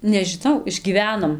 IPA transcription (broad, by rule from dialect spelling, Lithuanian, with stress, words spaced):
nʲɛʒʲɪˈnɐʊ ɪʒʲɡʲiːˈʋʲæːnoːm